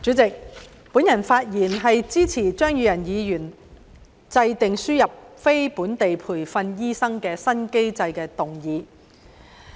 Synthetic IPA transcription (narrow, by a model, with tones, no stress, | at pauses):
t͡syː˨˥t͡sɪ˨k̚ | puː˨˥njɐ˨˩nfaː˧t̚jiː˨˩nɦɐ˨jt͡siː˥t͡sʰiː˨˩t͡ʃœː˥ŋjyː˨˧jɐ˨˩njiː˨˧jyː˨˩n | t͡sɐ˧jt̪ɪ˨ŋsyː˥jɐ˨p̚fe˥jpuː˨˥nt̪e˨jpʰuː˨˩jfɐ˧njiː˥sɐ˥ŋkɛː˧sɐ˥nke˥jt͡sɐ˧jkɛː˧t̪ʊ˨ŋjiː˨˧